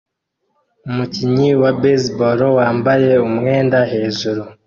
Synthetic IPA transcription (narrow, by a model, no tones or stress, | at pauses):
umuciɲiwabezboɾowaːmbaje̞umŋe̞ːndahe̞ːʒuɾu